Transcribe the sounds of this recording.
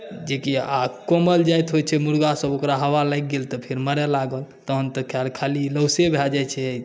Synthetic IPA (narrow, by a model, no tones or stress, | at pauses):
d͡ʒekiakoməld͡ʒajt̪ɦot͡ʃʰɛmuɾɡasəbokɾaɦəʋalajk̚ɡelt̪ɔpʰeɾməɾɛlaɡəlt̪ɔɦənt̪əkʰjalkʰaliləwsebʱɛd͡ʒajt͡ʃʰɛ